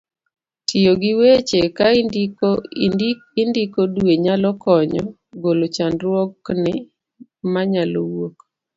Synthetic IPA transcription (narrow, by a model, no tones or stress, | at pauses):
tʰijoɡɪwet͡ʃeka | ɪndikodweɲalɔkɔɲɔ | ɡolot͡ʃandɾwɔknɪ | maɲalowok